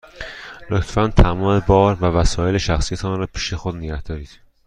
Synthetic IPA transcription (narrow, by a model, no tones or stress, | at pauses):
lot̪ʰfænt̪ʰæmɒːme̞bɒːɾvævæsɒːje̞le̞ʃæxsijæt̪ʰɒːnɾɒːpʰiːʃe̞xod̪neɡæhd̪ɒːɾiːd̪̥